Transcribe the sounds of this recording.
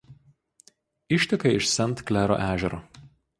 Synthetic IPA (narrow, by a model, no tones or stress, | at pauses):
ɪʃʲt̪ʲɪkɐɪɪʃsʲɛnˑt̪klʲæːɾo̰ːʔæːʒʲɛɾoː